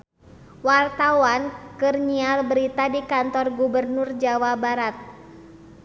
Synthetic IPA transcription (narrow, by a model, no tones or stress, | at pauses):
wart̪awankɨrɲialbəɾit̪adikant̪ɔrɡubərnʊrd͡ʒawabaɾat̪̚